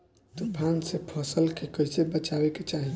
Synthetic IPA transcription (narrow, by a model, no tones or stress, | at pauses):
t̪opʰansepʰəsəlkekəjsebət͡ʃabeket͡ʃaɦi